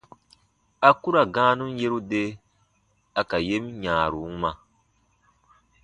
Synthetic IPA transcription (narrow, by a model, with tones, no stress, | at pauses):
a˨ku˦ɾa˨ɡãː˦nũ˦n˦je˦ɾu˦de˦ | a˨ka˨je˦mɲaː˨ɾu˨˦ma˨